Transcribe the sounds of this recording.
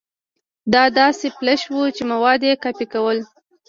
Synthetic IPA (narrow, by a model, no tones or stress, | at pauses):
d̪ɑd̪ɑseplaʃwut͡ʃemawɑd̪jekɑpikawəl